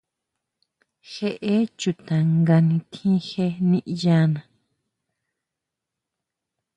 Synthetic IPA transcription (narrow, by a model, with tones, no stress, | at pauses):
xe˦˧ʔe˦t͡ʃu˧t̪ã˨ŋɡa˧nĩ˧t̪ʰĩ˦xe˦nĩ˦˧ʔi˧ja˦nã˨